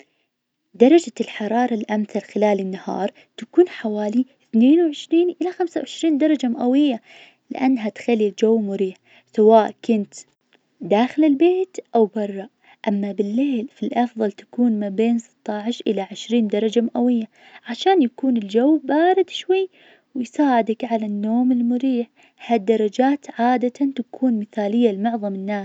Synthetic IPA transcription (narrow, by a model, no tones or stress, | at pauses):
d̪ɑɾˤɑd͡ʒalħɑɾˤɑːɾˤɑlʔamθalxɪlaːlɪnːahɑ̰ːɾˤ | t̪akuːnħawaːli | θneːnwʕɪʃɾiːnʔɪlaxamsawʕɪʃɾiːnd̪ɑɾˤɑd͡ʒamaʔawɪjːa | lɪ̰ʔanːɦat̪xalːild͡ʒawːmʊɾiːħ | sawaːʔkʊnt̪ | d̪aːxɪlɪlbeːt̪ʔawbɑrˤːɑ | ʔamːabɪlːeːlfilʔɑfðˤɑlt̪ḁkuːnmabeːnsˤɨ̥t̪ˤːɑʕɪʃʔɪlaʕɪʃɾiːnd̪ɑɾˤɑd͡ʒamaʔawɪjːa | ʕaʃaːnjakuːnɪld͡ʒawːbaːɾɪd̪ʃwajː | wɪjsaːʕɪd̪akʕalanːoːmɪlmʊɾiːħ | had̪ːɑɾˤɑd͡ʒaːt̪ʕaːd̪at̪ʰant̪akʰuːnmɪθaːlɪjːalmʊʕðˤɑmɪnːaːs